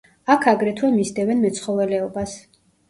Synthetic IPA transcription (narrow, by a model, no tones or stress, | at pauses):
akʰaɡɾɛt̪ʰwɛmisd̪ɛvɛnmɛt̪sχɔvɛlɛɔbas